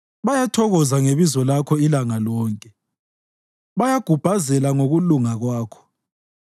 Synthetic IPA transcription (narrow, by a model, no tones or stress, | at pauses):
βajatʰɔɣɔzaŋeβizɔlakʰɔilaŋalɔːŋkʼɛ | βajaɡ̥ʱub̥ʱazɛlaŋoɣuluŋaɣwaːkʰɔ̥